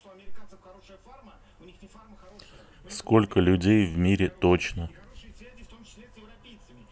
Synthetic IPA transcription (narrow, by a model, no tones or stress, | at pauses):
skolʲkəlʲʉdʲejvmʲiɾʲɪt̪ot͡ɕnə